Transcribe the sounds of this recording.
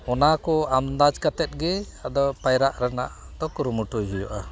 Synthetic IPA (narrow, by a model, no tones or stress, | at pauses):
ɔnakɔamd̪ad͡ʒkat̪ɛt̪̚ˀɡɛ | ad̪ɔpajɾaʔɾana̰ʔ | d̪ɔkuɾumuʈuɦijɔʔa